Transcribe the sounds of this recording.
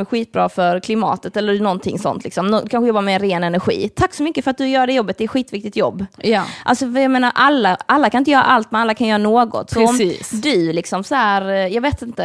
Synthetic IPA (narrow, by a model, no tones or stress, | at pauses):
ɛɧiːt̪̚bɾɑːfœɾkʰlɪmɑ̰ːt̪ət̪ɛlːəɾɳɔnt̪ʰɪŋːsɔ̰nt̪ʰlɪksɔmnɔkʰanɧəjɔbːaɾmɛɾːeːnɛnæɾɧḭːt̪ʰakːsɔmʏkːəfœɾat̪̚d̪ɵjœːɾaɖɛjɔbːət̪d̪ɛt̪ɧiːt̪vɪk̚t̪ɪt̪jɔbːjʔa̰lsɔjameːnaɾʔalːaalːakʰanɪnt̪əjœːɾa̰ʔalt̪mɛalːakʰanjœːɾanoːɡɔ̰t̪sɔɾɔmiːsd̪ɵlɪksɔmsɔhæːɾjɑɡveːt̪ɪnt̪ə